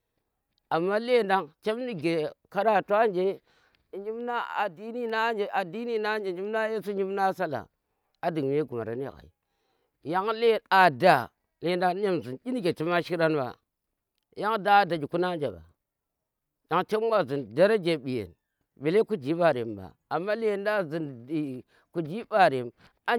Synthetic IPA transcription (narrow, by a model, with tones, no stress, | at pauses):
a˨mːa˦le˦˨nda˦ŋt͡ʃe˦m˦ni˦ɡe˨ka˦ɾa˦˨tʷa˦nd͡ʒe˦˨ | ɲi˦m˦na˦a̰˨di˦ni˦na˦d͡ʒe˨ʔa˨di˦ni˦na˦d͡ʒe˨ɲi˦m˦na˦je˦su˦ɲi˦m˦na˦sa˦la̰˨ | a˨di˨ŋ˨m˦e˦ɡu˨ma̰˨ɾa̰˦ni˦˨ka̰˨ḭ˨ | ja˦ŋle˦˨a˨da˦˨ | le˨nda˦e˦mzi˨ni˦ni˦ɡe˨ti˦ma˦ʃi˦ɾa˦n˦ba̰˨ | ja˦ŋda˦da˨d͡ʒi˨ku˦na˦nd͡ʒa˨ba̰˨ | ja˦ŋt͡ʃe˦m˦a˦zi˨nda˦ɾa˦d͡ʒe˨ɓi˨jḛ˨n | be˨le˦ku˦d͡ʒi˨˦ɓa˨ɾḛ˨mba̰˨ | a˨mːa˦le˦˨nda˦zi˨ni˨ | ku˨d͡ʒi˦ba˦˨ɾe˨m | a˦